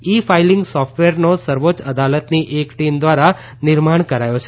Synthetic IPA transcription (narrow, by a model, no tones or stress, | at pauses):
ifailɪŋɡsɔfʈʋeɾnosəɾʋot͡ʃəd̪alət̪niʔekʈimd̪ʋaɾa | nɪɾmaɳ̃kəɾajot͡ʃʰe